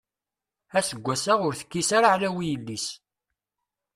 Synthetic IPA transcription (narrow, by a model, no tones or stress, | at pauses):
æsəɡʷːæsaʁʊɾθə̥kːisaɾaʕlæwijəlːis